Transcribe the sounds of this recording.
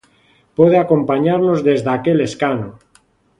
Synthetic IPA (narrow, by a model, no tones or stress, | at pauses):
pweðeako̞mpaɲaɾno̞zðe̞zðeake̞le̞skano